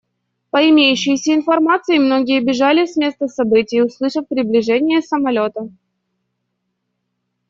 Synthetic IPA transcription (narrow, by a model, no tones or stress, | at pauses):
pəɪmʲejʉɕːɪjsʲəɪn̪fɐrmat̪sɨɪmno̞ɡʲɪjəbʲɪʐalʲɪsʲmʲe̞st̪əsɐbɨtʲɪjʊslˠɨʂəfpɾʲɪblʲɪʐɛnʲɪjəsəmɐlʲo̞t̪ə